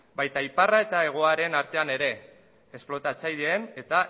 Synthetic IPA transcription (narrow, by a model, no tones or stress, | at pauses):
bajt̪aiparae̞t̪ae̞ɣ̞o̞aɾe̞naɾt̪e̞ane̞ɾe̞ | esplo̞t̪at͡saʎe̞ːne̞t̪a